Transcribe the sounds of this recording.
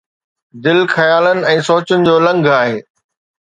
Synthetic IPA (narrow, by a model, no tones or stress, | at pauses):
d̪ɪlxɐjaːlənɪ̆ɛ̃ːsoːt͡ɕənɪ̆d͡ʑoːlɐ̃ŋɡʱaːɦeː